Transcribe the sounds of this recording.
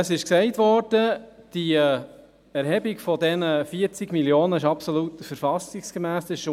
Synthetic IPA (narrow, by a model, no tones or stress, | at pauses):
əsɪʃksɛɪtʋɔɾd̥əd̥i | ɛɾhɛbikfɔdɛnəfiəɾt͡siɡmiljoːnəɪʃɑpsolut̪fəɾfɑsiksɡ̥əmæːsɪʃ